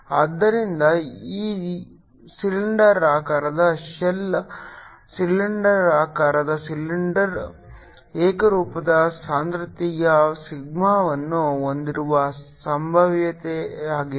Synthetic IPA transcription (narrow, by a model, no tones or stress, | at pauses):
ɐd̪ːɐɾind̪ɐiː | siliɳɖɐɾaːkaːɾɐd̪ɐʃɐlɐ | silːiɳɖɐɾaːkaːɾɐd̪ɐsilːiɳɖɐɾ | eːkɐɾuːpɐd̪ɐsaːnt̪ɾut̪ijɐsiɡmaːʋɐnːuond̪iɾuʋɐsɐmbʱɐʋjɐt̪eaːɡi